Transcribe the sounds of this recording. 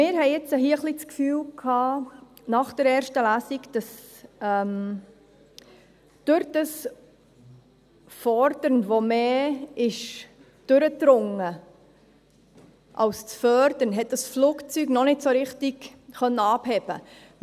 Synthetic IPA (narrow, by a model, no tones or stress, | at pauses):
mɪːɾɦɛɪɛt͡səɦiəχliskfyːlkʰɑː | nɑχd̥əɾɛːɾʃtəlæːsikd̥ɑsɛm | d̥ʊɾd̥ɑs | fɔɾd̥əɾnvomeːɪʃ | d̥ʏɾətɾʊŋə | ʔɑlst͡sfœɾd̥ənɦɛt̚d̥ɑsfluːkt͡syɡnɔnɪtsoɾɪχtɪɡχœnːəɑphɛb̥ə